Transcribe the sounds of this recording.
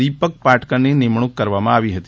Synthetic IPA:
ipək̚paʈkənːinimɳ̃ukːəɾʋamãaʋiɦət̪i

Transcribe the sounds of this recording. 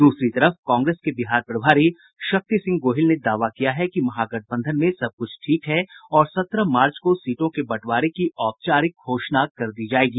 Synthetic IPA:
d̪uːsɾit̪ɐɾəfkɔ̃ːŋɡɾeːskebɪɦaːɾpɾɐbʱaːɾi | ʃɐk̚t̪isɪ̃ŋɡ̚ɡoːɦɪlned̪aːʋakijaɦɛkimɐɦaɡɐʈ̚ʰbə̃nd̪ʱənmẽsɐb̚kʊt͡ʃʰʈʰiːkɦɛɔːɾsɐt̪ɾəmaːɾt͡ʃkosiːʈõkebɐʈʰʋaːɾekiɔːp̚t͡ʃaːɾɪkɦoːʃnakɐɾd̪iːd͡ʒaːeːɡiː

